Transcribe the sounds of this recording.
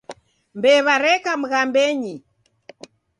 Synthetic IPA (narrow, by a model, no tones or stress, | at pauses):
mbɛβaɾɛkam̩ɣambɛɲi